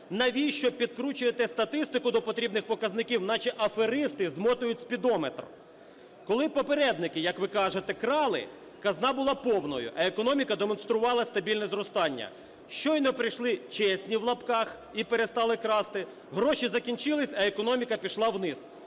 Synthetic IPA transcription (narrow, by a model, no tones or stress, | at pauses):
nɐʋʲijʃt͡ʃɔpʲid̪kɾut͡ʃʊjet̪ɛst̪ɐt̪ɪst̪ɪkʊd̪ɔpɔt̪ɾʲibnɪxpɔkɐznɪkʲiwnɑt͡ʃɛʔɐfeɾɪst̪ɪzmɔt̪ʊjʊtʲsʲpʲid̪ɔmet̪r̰ | kɔlˠɪpɔpeɾɛd̪nɪkɪjɐkʋɪkɑʒet̪ɛkɾɑlˠɪ̰ | kɐznɑbʊlˠɑpɔwnɔ̰jʊ̰ʔɐekɔnɔmʲikɐd̪emɔnst̪ɾʊʋɑlˠɐst̪ɐbʲilʲnɛzɾɔst̪ɑnʲːɐ̰ | ʃt͡ʃɔjnɔpɾɪjʃlˠɪt͡ʃɛsʲnʲiwlˠɐpkɑx | ipeɾest̪ɑlˠɪkɾɑst̪ɪ | ɦɾɔʃizɐkʲinʲt͡ʃɪlˠɪsʲɐekɔnɔmʲikɐpʲiʃlˠɑwnɪs